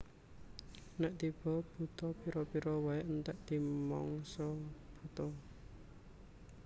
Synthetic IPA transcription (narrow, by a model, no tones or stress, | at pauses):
nɛʔt̪ib̥ɔ̤b̥ṳt̪ɔpiɾɔpiɾɔwaent̪ɛʔd̪̥i̤mɔ̰ŋsɔb̥ṳt̪ɔ